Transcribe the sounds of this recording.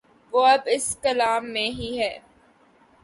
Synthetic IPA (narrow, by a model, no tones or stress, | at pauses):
ʋoːɐbɪskɐlaːmːẽɦiɦɛː